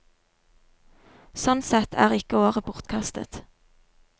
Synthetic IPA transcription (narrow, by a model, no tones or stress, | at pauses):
sɔnsɛt̪ʰæ̰ːʁɪkəoːʁəpʰʊʁt̪kʰɑst̪ə̰t̪